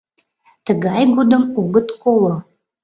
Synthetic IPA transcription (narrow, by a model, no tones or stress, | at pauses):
t̪əɡɑjɡud̪əmoɡət̪kolo